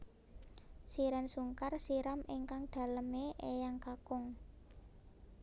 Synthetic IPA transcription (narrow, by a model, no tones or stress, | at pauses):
siɾansuŋkarsiɾameŋkaŋɖ̪̥ä̤ləmeʔejaŋkakʊŋ